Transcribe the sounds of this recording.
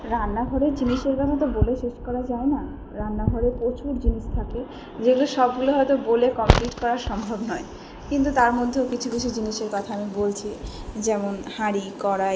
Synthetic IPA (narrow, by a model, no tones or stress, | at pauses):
ɾanːaɡʱɔɾed͡ʑiniʃeɾkɔt̪ʰat̪̬oboleʃeʃkɔɾad͡ʑaena | ɾanːaɡʱɔɾepot͡ɕʰuɾd͡ʑiniʃt̪ʰakle | d͡ʑeɡuleʃɔb̚ɡuloɦɔet̪obolekɔmpliʈkɔɾaɾʃɔmbʱɔbnɔe | kint̪̬ut̪aɾmod̪ʱːeokit͡ɕʰukit͡ɕʰud͡ʑiniʃeɾkɔt̪ʰaamibolt͡ɕʰid͡ʑɛmonhaɾikɔɾa